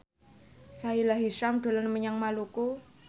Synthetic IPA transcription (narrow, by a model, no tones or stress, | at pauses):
sailaɦiʃamd̥o̤lanməɲaŋmaluko